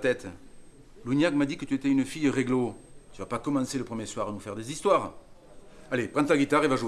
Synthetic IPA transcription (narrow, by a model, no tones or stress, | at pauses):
t̪ɛt̪ | lunjakmad̪ikət̪yet̪ɛynəfijəʁeɡlot̪yvapakɔmɑ̃seləpχəmjeswaʁanufɛʁd̪ezist̪waʁ | alepχɑ̃t̪laɡʲit̪aʁevaʒue